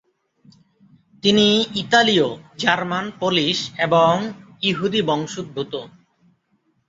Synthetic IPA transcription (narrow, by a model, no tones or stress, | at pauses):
t̪iniit̪aliod͡ʑaɾmanpoliʃeboŋ | iɦud̪ibɔŋʃud̪̚bʱut̪o